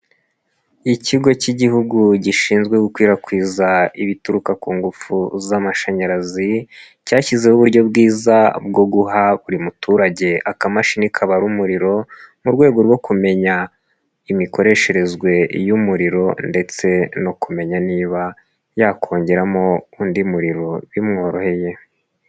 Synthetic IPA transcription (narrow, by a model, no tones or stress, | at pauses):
iciɡo̞ciɟiɦuɡuɟiʃiːnzɡwe̞ɡukwiːɾakwiːzaiβituɾukakuːŋɡufuzamaʃaɲaɾazi | caːçize̞huβuɾɟo̞bɡiːzab̚ɡo̞ɡuɦaβuɾimutuːɾaɟe̞akamaʃinikʰaβaɾumuɾiɾo̞muɾɡwe̞ːɡo̞ɾwo̞kume̞ɲa | imiko̞ɾe̞ʃe̞ɾe̞zɡwe̞jumuɾiɾo̞nde̞t͡se̞no̞kume̞ɲaniːβa | jaːkʰo̞ːɲɟeɾamo̞undimuɾiɾo̞βimŋo̞ːɾo̞he̞je̞